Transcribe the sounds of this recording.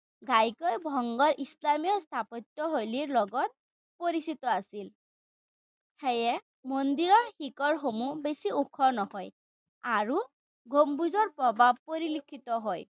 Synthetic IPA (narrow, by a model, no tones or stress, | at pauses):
ɡajkɔjbʱɔŋɡɔɹʔislamijɔst̪ʰapɔtːɔɦojliɹlɔɡɔt̚ | poɹisitɔasil | hejɛ | mondiɹɔɹxikɔɹxomubesiukʰɔnɔhɔj | aɹu | ɡʱombuzɔɹpɹɔbʱab̚poɹilikʰːitɔɦɔj